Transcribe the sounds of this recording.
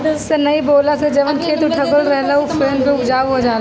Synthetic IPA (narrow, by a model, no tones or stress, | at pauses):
senɐiboːlased͡ʒɐʋənkʰeːt̪ũʈʰɐbəlɾɛɦlaufʰeːnpeʊd͡ʒaːʋɦod͡ʒaːla